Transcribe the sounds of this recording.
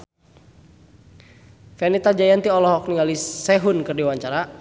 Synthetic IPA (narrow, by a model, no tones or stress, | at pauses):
fɛnit̪ad͡ʒajant̪iɔlɔɦɔk̚niŋalisɛɦunkɨrdiwaɲt͡ʃaɾa